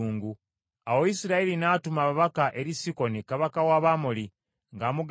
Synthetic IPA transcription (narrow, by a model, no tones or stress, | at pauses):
uːŋɡu | awoisiɾailinaːtumaβaβakaʔe̞ɾisiko̞nikaβakawaβaːmoli | ŋɡaːmuɡ